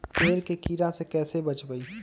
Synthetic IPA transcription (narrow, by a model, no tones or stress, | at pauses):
peːɾkekiːɾãsekɛːsebɐt͡ʃbəi